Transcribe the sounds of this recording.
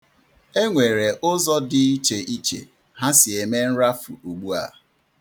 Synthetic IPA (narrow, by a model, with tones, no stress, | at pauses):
e˦ŋʷe˨ɾe˨ʔʊ˦zɔ˦dɪ˨i˦t͡ʃe˨ʔi˦t͡ʃḛ˨ | ɦa˦sɪ˨e˨me˦n̩˦ɾa˦fṵ˨o˨ɡ͡bu˦a̰˨